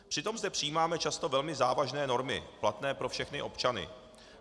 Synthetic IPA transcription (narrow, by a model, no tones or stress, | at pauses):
pr̝̥ɪt̪o̞mzdɛpr̝̥ɪiːmaːmɛt͡ʃast̪o̞vɛlmɪzaːvaʒnɛːno̞ɾmɪ̰plat̪nɛːpɾo̞fʃɛxnɪʔo̞pt͡ʃanɪ̰